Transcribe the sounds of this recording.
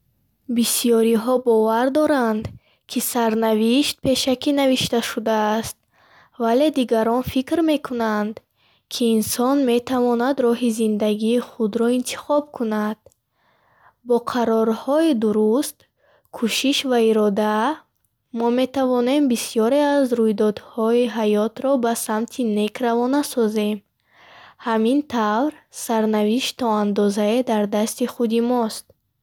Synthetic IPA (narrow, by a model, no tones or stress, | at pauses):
bisijɔɾiɦɔbɔvaɾd̪ɔɾand̪ | kʰisaɾnaviʃt̪̚pʰe̞ʃakʰinaviʃt̪aʃud̪aːst̪̚ | vale̞d̪iɡaɾɔnfikɾme̞kʰunand̪ | kʰiːnsɔnme̞t̪ʰavɔnad̪ɾɔɦizind̪aɡiːχud̪ɾɔint̪ʰi̥χɔb̚kʰunad̪̥̚ | bɔqʰaɾɔɾhɔid̪uɾust̪ | kʰuʃiʃvaiɾɔd̪a | mɔme̞t̪ʰavɔne̞mbisijɔɾe̞azɾujd̪ɔd̪hɔiɦajɔt̪ɾɔbasamt̪ʰine̞kʰɾavɔnasɔze̞m | hamint̪ʰavɾsaɾnaviʃt̪t̪ɔand̪ɔzaed̪aɾd̪ast̪iχud̪imɔst̪̚